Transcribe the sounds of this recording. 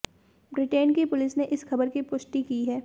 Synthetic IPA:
bɾɪʈeːnkipʊlɪsneʔɪsxɐbəɾkipʊʃʈikiɦɛː

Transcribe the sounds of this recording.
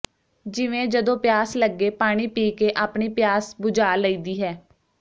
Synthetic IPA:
d͡ʒɪʋẽːd͡ʒəd̪õːpjaːsləɡːeːpaːɽ̃iːpiːkeːʔaːpɳiːpɪjaːsbʊd͡ʒaːləiːd̪iːɦɛː

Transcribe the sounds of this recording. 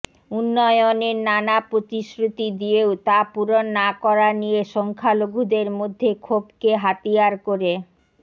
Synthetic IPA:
unːɔjoneɾnanapɾot̪iʃɾut̪id̪ijeot̪apuɾonːakɔɾanijeʃɔŋkʰaloɡʱud̪eɾmod̪ʱːekʰobkeɦat̪ijaɾkoɾe

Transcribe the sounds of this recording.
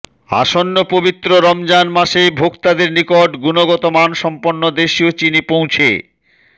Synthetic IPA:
a̰ʃonːopobit̪ːɾoɾɔmd͡ʑanmaʃebʱokt̪ad̪eɾnikoʈɡunoɡɔt̪omanʃɔmponːod̪eʃiot͡ɕinipõw̃t͡ɕʰḛ

